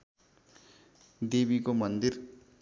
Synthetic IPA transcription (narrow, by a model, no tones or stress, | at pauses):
d̪ebikomʌnd̪ir